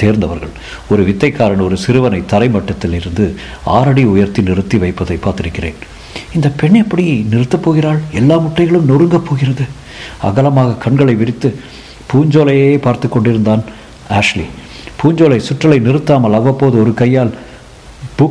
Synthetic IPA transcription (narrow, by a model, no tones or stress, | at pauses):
t̪eːɾnd̪ɐʋɐɾɣɐ̰ɭ | ɔɾɯʋɪt̪ːɐɪkːaːɾɐɳɔɾɯsɪɾɯʋɐnɐɪt̪ɐɾɐɪmɐʈːɐt̪ːɪlɪɾɯnd̪ɯ | a̰ːɾɐɽiʊjɐɾt̪inɪrɯt̪ːiʋɐɪpːɐðɐɪpːaːɾt̪ɪɾɯkːɪrḛːn | ɪnd̪ɐpɛɳɛpːɐɽinɪrɯt̪ːɐpːoːɣɪraːlɛlːaːmʊʈːɐɪɣɐɭɯmnɔrɯŋɡɐpːoːɣɪrɐðɯ | ɐ̰ɣɐlɐmaːɣɐkɐɳɡɐɭɐɪʋɪɾɪt̪ːɯ | puːɲd͡ʒoːlɐjeːpaːɾt̪ɯkːɔɳɖɪɾɯnd̪aːn | aːʂlḭ | puːɲd͡ʒoːlɐɪsʊʈrɐlɐɪnɪrɯt̪ːaːmɐlɐʋːɐpːoːðɯɔɾɯkɐjːaːl | b̥ʊ